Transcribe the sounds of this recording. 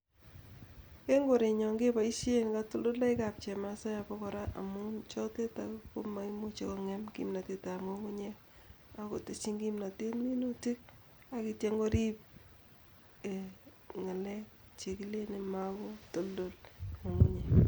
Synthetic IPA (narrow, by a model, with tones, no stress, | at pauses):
ke˦ŋɡo˨ɾe˨ɲɔ˨ŋɡe˦pa˨i˦se˦nka˦to˦ldo˦la˦ɪka˨p̚t͡ʃe˨ma˨sa˦ja˨pɔ˦kɔ˨ɾa˦ʔa̰˨mu˦nt͡ʃɔ˦te˦tako˦ma˨i˦mu˦t͡ʃe˨ko˦ŋe˦mkḭ˦mna˨te˦ta˨mo˦ŋu˦ɲe˦ | a˨ko̰˨te˨t͡ʃi˦ŋɡi˦mna˨te˦tmi˦no˦ti˦k̚ | a˨ki˦tje˦ŋɡo˦ɾi˦p̚ | e˨ | ŋa˨lɛ˦k̚ | t͡ʃe˨ki˦le˦ne˨ma˦ko˦to˦ldo˦lo˨ŋu˦ɲe˨